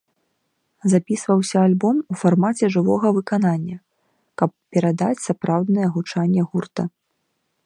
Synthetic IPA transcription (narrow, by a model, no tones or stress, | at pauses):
zapʲisvɐwsʲɐalʲbɔmufarmat͡sʲɛʐɨvɔɣɐvɨkananʲːɐ | kɐpːʲɛɾad̪at͡sʲsapɾawd̪nɨjɛɣut͡ʂanʲːɛɣurt̪ɐ